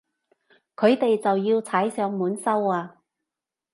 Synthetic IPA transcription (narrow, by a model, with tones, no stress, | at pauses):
kʰɵ˨˧ɥt̪e˨jt͡sɐ˨wjiː˧wt͡sʰaː˨˥jsœː˨˧˥ŋmuː˨˧˥nsɐ˥waː˧